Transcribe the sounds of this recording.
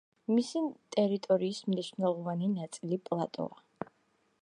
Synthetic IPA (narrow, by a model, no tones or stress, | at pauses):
misit̪ʼɛɾit̪ʼɔɾiːsmniʃnɛlˠɔvaninat̪sʼilipʼlˠat̪ʼɔ̰a